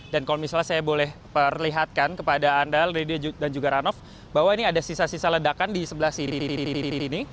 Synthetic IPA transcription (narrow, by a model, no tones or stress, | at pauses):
dankalomisalasajabolɛhpərliɦat̪̚kankəpadaːndalredid͡ʒudand͡ʒuɡaɾanɔf | baɦwainiadasisasisalədakandisəbəlahsiɾiɾiɾiiɾiɾiiɾiɾini